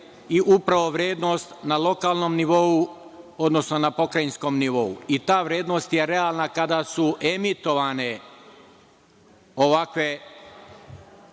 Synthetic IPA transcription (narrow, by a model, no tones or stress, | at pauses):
iʔupɾaʋo̞ʋɾje̞ːd̪no̞st̪nalo̞kaːlno̞mniʋo̞u | o̞d̪nosno̞napo̞kɾajinsko̞mniʋo̞uit̪aːʋɾjeːd̪nost̪je̞ɾe̞alˠnakad̪asuʔemit̪o̞ʋane̞ | oʋakʋe̞